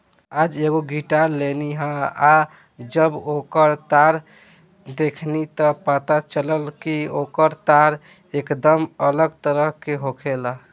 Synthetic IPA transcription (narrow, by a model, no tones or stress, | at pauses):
ad͡ʒeɡoɡiʈaɾleniɦə̃a | d͡ʒəbokəɾt̪aɾ | d̪ekʰnit̪ɔpət̪at͡ʃələlkiokəɾt̪aɾ | ekd̪əmələɡt̪əɾəɦkeɦokʰela